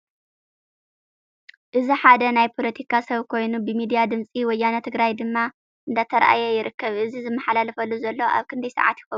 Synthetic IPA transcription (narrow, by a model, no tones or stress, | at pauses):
ʔɨziħad̪ɐnajpʰo̞lɐt̪ʰikʰasɐβkʰo̞jnubɨmid̪ijad̪ɨmt͡sʼiwɔjːanɐt̪ʰɨɡɾajd̪ɨmːa | ʔɨnd̪at̪ʰɐɾʔa̰jɛjɪɾɨkːɐβʔɨzizɨmːɐħalalɐfɐlːuzɐlːo̞ʔa̰βkʰɨnd̪ɐjsɐ̰ʕa̰t̪jɪxɐu